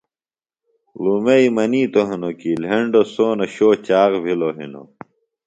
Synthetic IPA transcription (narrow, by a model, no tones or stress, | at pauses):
lumeimɐniːt̪oɦinokiːlɦeɳɖosoːnɐɕoːt͡ɕaːʁbʱiloɦḭno̰